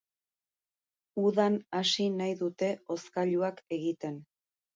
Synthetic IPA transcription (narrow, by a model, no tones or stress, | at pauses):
uðanasinajðut̪e̞o̞skaʎuake̞ɣit̪e̞n